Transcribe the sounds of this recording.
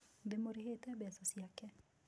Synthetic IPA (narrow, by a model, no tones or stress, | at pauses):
d̪ɪmoɾhet̪ɛbɛsasjakɛ